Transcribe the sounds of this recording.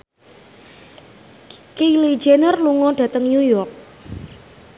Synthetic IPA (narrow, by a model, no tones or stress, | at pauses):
kili̥d͡ʒenərluŋɔɖ̥ä̤t̪əŋjujɔrk̚